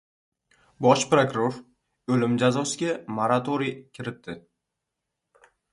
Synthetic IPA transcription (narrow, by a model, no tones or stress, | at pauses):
bɒʃpɾokɾoɾ | ɵlɪmd͡ʒazɒsɪɡʲamoɾat̪ʰoɾijkʲʰɪɾɪt̪d̪ɪ